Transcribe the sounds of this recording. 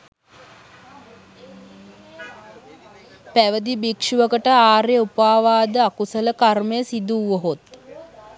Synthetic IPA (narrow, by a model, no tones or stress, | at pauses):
pæʋəd̪ibikʂuʋəkəʈəaːɾeupaːʋaːd̪əakusələkarməjəsid̪uːoɦot̪